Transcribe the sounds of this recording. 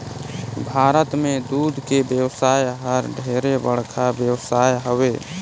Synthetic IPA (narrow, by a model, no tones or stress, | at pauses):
bʱaːɾət̪mẽd̪ud̪ʱkebjəwsaːjɦəɾɖʱeɾebəɽkʰabjəwsaːjɦəwe